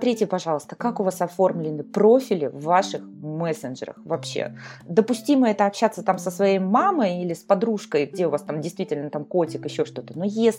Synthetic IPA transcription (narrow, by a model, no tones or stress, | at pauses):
st̪ɾʲitʲɪpɐʐɑlˠəst̪ə̥kakʊvasɐfo̞rmlʲɪnɨpɾofʲɪlʲɪ̰vːaʂɨxmɛsənʐɨ̰ɾə̰xvɐpɕːḛd̪əpʊsʲtʲiməɛt̪əɐpɕːat̪sət̪amsəsvɐjejmaməjilʲɪspɐd̪ɾuʂkəjɡdʲe̞ʊvast̪amdʲɪjst̪vʲitʲɪlʲnət̪amko̞tʲɪkɪɕːoʂt̪o̞t̪ənojesʲ